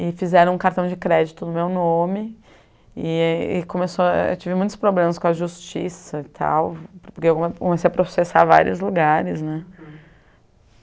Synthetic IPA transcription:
ɪfizɛɾɐ̃w̃ũkaɾt̪ɐ̃w̃d͡ʒɪkɾɛd͡ʒit̪ʊd̪ʊmewnõmɪ | ɪɪkõmesoḛwt͡ʃivɪmũj̃t̪ʊ̥spɾoblẽmɐskõɐʒust͡ʃḭsɐɪt̪ʰa̰wpoɾkeewkkomesejɐpɾosesa̰va̰ɾḭʊzluɡaɾɪznɛ̃

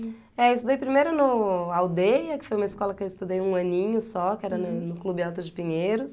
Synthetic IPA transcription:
ɛist̪ud̪ejpɾimejɾʊnʊawd̪ejɐkɪ̥fojũmɐiskɔlɐkɪewɪst̪ud̪ejũɐ̃nĩɲʊsɔkɪɛɾɐnɐnʊklubɪawt̪ʊd͡ʒɪpĩɲeɾʊs

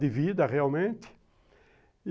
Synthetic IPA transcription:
d̪ɪvid̪ɐʁealmẽnt̪ɪ̥

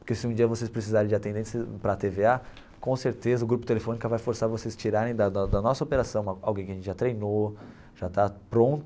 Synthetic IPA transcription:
pʊɾkesɪũd͡ʒiɐvosespɾes̬izaɾẽj̃d͡ʒɪat̪ẽnd̪ẽsjɐpɾɐt̪evea | kõseɾt̪ezɐʊɡɾupʊ̥t̪elefõnikɐvajfoɾsaɾvosest͡ʃiɾaɾẽj̃d̪ɐd̪ɐd̪ɐnɔsɐopeɾasɐ̃w̃ɐa̰wɡẽjkɪɐʒẽt͡ʃɪʒat̪ɾejno | ʒ̥at̪apɾõt̪ʊ

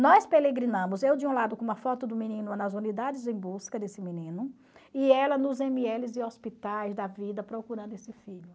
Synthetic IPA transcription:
nɔspeleɡɾinɐ̃mʊzewd͡ʒɪũlad̪ʊkõũmɐfɔt̪ʊd̪ʊmĩnĩnʊanɐzũnid̪ad͡ʒɪzẽj̃buskɐd̪esɪminĩnʊ | iɛlɐnʊzẽmiɛlɪzɪospit̪ajzd̪ɐvid̪ɐpɾokuɾɐ̃nd̪ʊesɪfiʎʊ

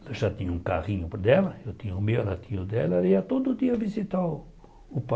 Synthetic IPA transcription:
lɐʒat̪ĩɲɐũkaʁĩɲʊpd̪ɛlɐewt̪ĩɲumewɛlɐt̪ĩɲud̪ɛlɐɛliɐt̪od̪ʊʊd̪iɐvizit̪aw | ʊpa

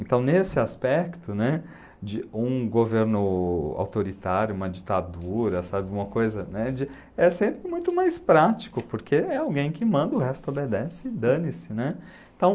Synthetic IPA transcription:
ẽnt̪ɐ̃w̃nesɪaspɛkt̪ʊnɛ | d͡ʒɪũɡoveɾnʊa̰wt̪oɾit̪aɾjʊũmɐd͡ʒit̪ad̪uɾɐsabɪɡũmɐkojzɐnɛd͡ʒɪ | ɛsẽmpɾɪmũj̃t̪ʊmajspɾat͡ʃi̥kʊpoɾkʰeɛawɡẽj̃kɪmɐ̃nd̪ɐʊɦɛst̪ʊobed̪ɛsɪd̪ɐ̃nɪsɪnɛ | ẽt̪ɐ̃w̃

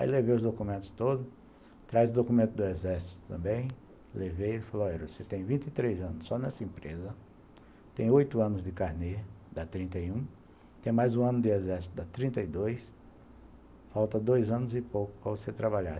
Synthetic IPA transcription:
a̰jlevejʊzd̪okumẽnt̪ʊ̥st̪od̪ʊ | t̪ɾajzʊd̪okumẽnt̪ʊd̪ʊezɛɾsi̥t̪ʊ̥t̪ɐ̰̃mbẽj̃ | levejfaloɔɾɐvoset̪ẽj̃vĩnt̪ɪt̪ɾejzɐ̃nʊsːɔnɛsɐẽmpɾezɐ | t̪ẽj̃ojt̪ʊɐ̃nʊzd̪ɪkaɾned̪ɐt̪ɾĩnt̪ɐjũ | t̪ẽj̃majzũɐ̃nʊd̪ɪezɛɾsi̥t̪ʊd̪ɐt̪ɾĩnt̪ɐɪd̪ojs | fawt̪ɐd̪ojzɐ̃nʊzɪpowkʊ̥pɾɐvoset̪ɾabaʎa̰

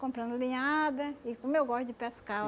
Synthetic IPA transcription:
kõmpɾɐ̃nd̪ʊlĩɲad̪ɐɪkõmewɡɔst̪ʊd͡ʒɪpeska

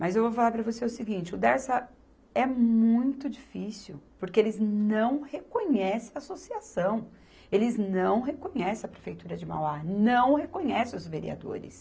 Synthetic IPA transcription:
mɐzewvofalaɾpɾɐvoseʊsiɡĩnt͡ʃɪʊd̪ɛɾsɐ | ɛmũj̃t̪ʊd͡ʒifisuwpoɾkeelɪznɐ̃w̃hekõɲɛsẽɐasosiasɐ̃w̃ | elɪznɐ̃w̃ɦekõɲɛsẽɐpɾefejt̪uɾɐd͡ʒɪma̰wanɐ̃w̃hekõɲɛsɪ̃ʊzveɾḭa̰d̪o̰ɾɪ̰s

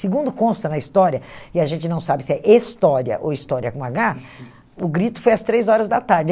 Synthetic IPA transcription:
sɪɡũnd̪ʊkõst̪ɐnɐist̪ɔɾiɐɪaʒẽnt͡ʃɪnɐ̃w̃sabɪsɪɛʔest̪ɔɾiɐ̰ʔo̰wist̪ɔɾiɐkõaɡa | ʊɡɾit̪ʊ̥fojɐst̪ɾejzɔɾɐzd̪ɐt̪aɾd͡ʒɪ

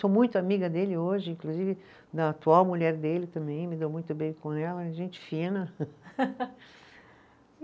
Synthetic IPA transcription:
somũj̃t̪ʊamiɡɐd̪elɪoʒɪĩŋkluzivɪ | d̪ɐat̪uawmuʎɛɾd̪elɪt̪ɐ̃mbẽj̃mɪd̪ewmũj̃t̪ʊbẽjkõɛlɐʒẽnt͡ʃɪ̥fĩnɐ

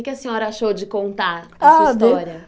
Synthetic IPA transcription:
ɪkɪɐsĩɲɔɾɐaʃowd͡ʒɪkõnt̪aasisd̪t̪eɔwɾiɐ

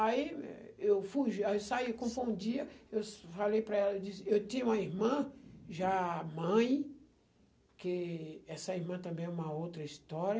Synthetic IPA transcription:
aḭ | ewfujʒaiwsaikõfũũd͡ʒiɐewsfalejpɾɐɛlɐed͡ʒisɪewt̪ĩɲũmɐiɾmɐ̃ʒamɐ̃j̃ | kɪɛsɐiɾmɐ̃t̪ɐ̃mbẽj̃ɛũmɐowt̪ɾɐist̪ɔɾɐ

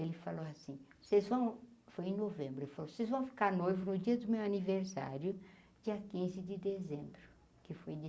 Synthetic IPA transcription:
elɪfaloasĩsezvɐ̃w̃fojẽnovẽmbɾʊelɪfalosezvɐ̃w̃fi̥kaɾnojvʊnʊd͡ʒiɐd̪ʊmewaniveɾsa̰ɾjʊ | d͡ʒiɐkĩzɪd͡ʒɪd̪ezẽbɾʊ | kɪfoj

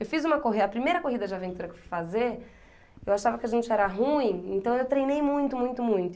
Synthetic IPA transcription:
ewfizũmɐkoɦid̪ɐːpɾimejɾɐkoɦid̪ɐd͡ʒɪavẽnt̪uɾɐkewfujfazeɾ | ewaʃavɐkɪaʒẽnt͡ʃɪɛɾɐɦũĩẽnt̪ɐ̃w̃ewt̪ɾejnejmũj̃t̪ʊmũj̃t̪ʊmũj̃t̪ʊ

